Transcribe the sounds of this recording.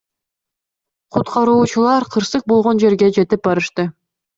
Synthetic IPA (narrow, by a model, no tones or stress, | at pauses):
qʰut̪qɑɾuːt͡ʃulˠɑɾqʰɯɾsɯq̚bo̞lˠʁo̞nd͡ʒe̞ɾɡe̞d͡ʒe̞t̪ip̚bɑɾɯʃt̪ɯ